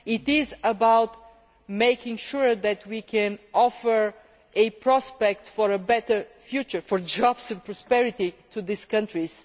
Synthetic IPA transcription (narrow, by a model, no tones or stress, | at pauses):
ɪt̪ɪzəbawt̪ | meɪkɪ̃ŋʃʊɹðɛt̪ʰwikʰɛ̃nɔfəɹ | ɨpɹɔspɛk̚t̪fɔɹəbɛt̪ə˞fjut͡ʃə˞fɔɹd͡ʒɔbsɨ̃npɹɔspɛɹɪt̪it̪ʰuðɪskʌ̃ntɹis